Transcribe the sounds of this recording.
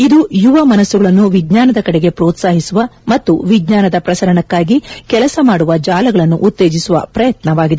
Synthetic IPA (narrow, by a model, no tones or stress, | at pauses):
id̪ujuʋɐmɐnɐsːuɡɐɭɐnːuʋiɡɲaːnɐd̪ɐkɐɽɛɡe̞pɾoːt̪saːɦisuʋɐmɐt̪ːuʋiɡɲaːnɐd̪ɐpɾɐsɐɾɐɳɐkːaːɡikɛlɐsɐmaːɽuʋɐd͡ʒaːlɐɡɐɭɐnːuʔut̪ːe̞ːd͡ʒisuʋɐ̰pɾɐjɐt̪nɐʋaːɡid̪e